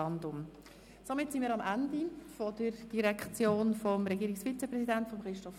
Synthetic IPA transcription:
ɑndʊm | somɪtsinmiːɾɑmʔandifɔd̥əɾd̥iɾɛkʰt͡sjoːnfɔmɾɛɡiːɾɪksfit͡sɛprɛsidæntfɔmχɾɪʃtɔf

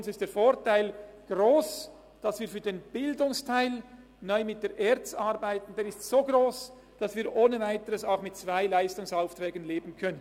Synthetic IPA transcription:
ʊnsɪstd̥eːfoːɾtaɪlɡ̥ɾoːs | d̥ɑsv̥iːɐfyːɾdeːnb̥ɪldʊŋstʰaɪl | nɔʏmɪt̚d̥eːɾʔɛːɾt͡sɑɾbaɪtn̩d̥eːɾɪstsoːɡɾoːs | d̥ɑsv̥iːɾʔoːnəvaɪtəɾəsaʊxmɪtt͡sv̥aɪlaɪstʊŋsaʊftɾɛːɡən̩leːbn̩kʰœnən

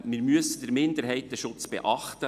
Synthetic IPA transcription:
mɪɾmyəsəd̥əɾmɪndəɾɦɛɪt̚dəʃʊt͡sb̥ɛ̰ʔɑχt̪ə

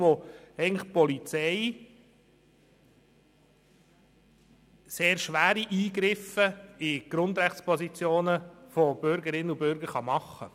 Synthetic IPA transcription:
ʋoɛɪɡəŋləχpɔlit͡sɛɪ | seːɾʃʋæːɾiʔiːɡɾɪfəiɡ̥ɾʊnd̪ɾæχtspɔsit͡sjoːnəfɔb̥ʏɾɡəɾɪnːəubʏɾɡəɾχɑmɑχːə̰

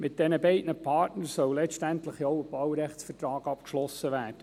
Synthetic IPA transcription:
mɪt̚d̥ɛnəbɛɪdnəpʰɑːtnəɾsœwlɛʃtæntləχjoʊəb̥ɑwɾɛχtsfərtɾɑːɡɑpkʃlɔsəʋæːrd̥ə

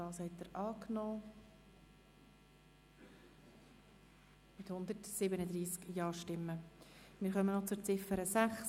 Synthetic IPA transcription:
ɑːshɛtːəɾʔɑːknɔː | mɪthʊnd̪əɾtsɪbənəd̪ɾiːskjɑːɾʃtɪmːəmɪːɾχœmənɔt͡sʊɾt͡sɪfəɾəsæχs

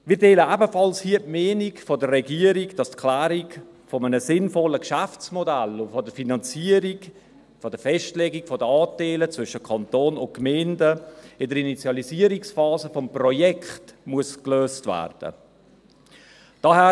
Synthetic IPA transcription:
mɪːɾteːləʔæbəfɑlshiːətmeːnikfɔdərɛɡiəɾiɡd̥ɑstkʰlæːɾik | fɔmənəsɪnfɔləkʃaft͡smɔdælʊfɔdəfinɑnt͡siəɾiɡ | fɔd̥əfɛʃtlɛɡikfɔdəɑːtɛɪlət͡svʏʃəkʰɑntoːnʊnt̚kmɛɪndəɪndəɾinit͡sjɑliziəɾiksfɑːzəfɔmprɔjɛktmuəskløːstvæ̰ːrd̥ə̰ | d̥ɑhæː

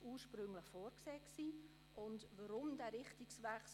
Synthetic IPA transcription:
uːʃpɾʏŋləχfɔːɾkseːksiː | ʔʊndvaɾʊmdɛːɾɪχtiksvɛχs

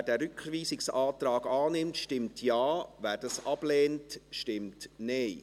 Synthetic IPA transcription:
ædɛːɾʏkʋiːsɪksɑːtɾɑːɡɑːnɪmtʃtɪmtʰjɑːvæːɾd̥ɑsɑb̥lɛːntʃtɪmtneɪ

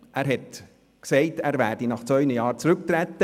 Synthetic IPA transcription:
ʔæːɾɦɛt | ksɛɪtæːɾvæːɾdinɑχt͡svœʏnəjɑːɾt͡sɾʉkt̪ɾɛtːə

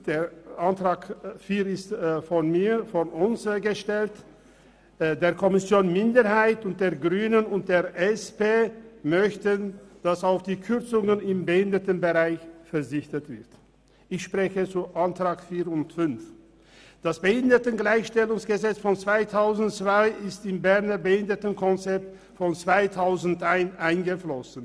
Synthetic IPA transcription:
d̥eːʔantʁ̥aːkfiːɐɪstfɔnmiːfɔnʊnsɡəʃtɛlt | deːɐkʰɔmɪsjoːnmɪndəhaɪtʊnt̚d̥eːɐɡʁyːnənʊnt̚d̥eːɐʔɛspeːmœçtənd̥asaʊfd̥iːkʰʏʁt͡sʊŋənɪmbəhɪndətənbəʁaɪçfɛɐzɪçtətv̥ɪɐt | ɪçʃpʁ̥ɛçət͡suʔantʁ̥aːkfiːʊntfʏnf | d̥asb̥əhɪndətəɡlaɪçʃtɛlʊŋsɡ̥əzɛt͡sfɔnt͡sv̥aɪtʰaʊzn̩tt͡sv̥aɪɪstɪnbɛʁnəbəhɪndətənkʰɔnt͡sɛp̚t | fɔnt͡sv̥aɪtʰaʊzn̩tʔaɪnʔaɪnɡəflɔsn̩

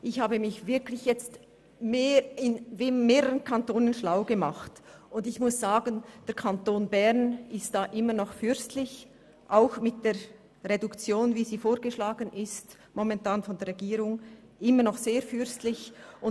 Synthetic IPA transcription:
ʔɪçhaːbəmɪçvɪɐkʰlɪçjɛt͡st | meɪnvemeːʁəʁənkʰantoːnənʃlaʊɡəmaχtʊndɪçmʊsz̥aːɡənd̥ɛːɐkʰantoːnbɛʁnɪst̚d̥aːʔɪmənɔχfʏɾstlɪç | ʔaʊxmɪt̚d̥eːɐ | ʁedukt͡sjoːnviːziːfoːɾɡəʃlaːɡənʔɪst | mɔmɛntaːnfɔndɛːɐʁɛɡiːɾʊŋ | ʔɪmənɔχseːɐfʏɐstlɪçʔʊn

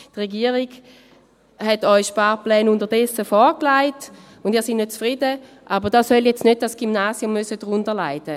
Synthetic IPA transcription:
tʁɛɡiɐʁiɡ | hɛtɔʏʃpaːplɛːnʊndəʁdɛsəfɔːʁklaɪt | ʊndiːɐsinnøt̚t͡sfʁidə | ʔabəʁdaːsœljɛt͡stnøt̚d̥asɡ̥imnaːsjʊmːøsədʁʊndəɐlaɪdə

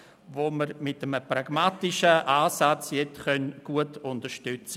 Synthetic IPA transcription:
ʋoməɾmɪtəməpraɡ̥maːtɪʃəʔaːsat͡sjɛt͡sχœnɡ̥uətʰʊntəɾʃtʏt͡sə

